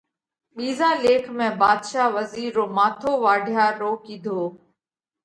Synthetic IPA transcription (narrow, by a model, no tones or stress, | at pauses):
ɓiːzaːleːkʰmẽːbaːd̪ʃaːʋəziːɾːoːmaːt̪ʰoːʋaːɖʱjaːɾoːkiːd̪ʱoː